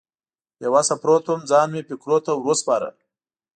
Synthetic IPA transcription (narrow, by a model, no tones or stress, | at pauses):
jawasapɾot̪omd͡zɑnmepɪkɾot̪awɾospɑɾə̰l